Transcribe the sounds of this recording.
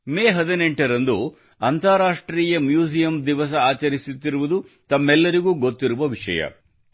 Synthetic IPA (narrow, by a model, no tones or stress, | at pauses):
meːɦɐd̪ineɳʈɐɾɐnd̪u | ɐnt̪ɐaɾaːʂʈɾiːjɐmjuːsijɐmd̪iʋɐs̬ɐaːt͡ʃɐɾisut̪ːiɾuʋud̪ut̪ɐmːɛlːɐɾiɡuːɡot̪ːiɾuʋɐʋiʂɐ̰jɐ̰